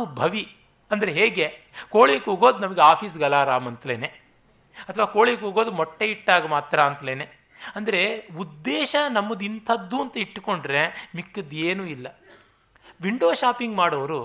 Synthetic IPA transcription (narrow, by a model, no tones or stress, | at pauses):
ubʱɐʋi | ɐnd̪ɐɾeɦeːɡe̞ | koːɭikoːɡo̞ːd̪unɐmɐɡeaːpʰiːs̬ɡɐlaːɾaːmɐnt̪lḛːne | ɐt̪ʰɐʋaːkoːɭikoːɡo̞ːd̪umɔʈːeiʈːaːɡɐmaːt̪ɾɐːnt̪leːne | ɐnd̪ɐɾe̞ud̪ːeːʃɐnɐmːɐd̪int̪ʰɐd̪ːuːɐnt̪ɐiʈːko̞ɳɖɾe̞mikːɐd̪eːnuːilːɐ | ʋiɳɖoːʃaːpiŋɡmaːɽɐːʋɐɾu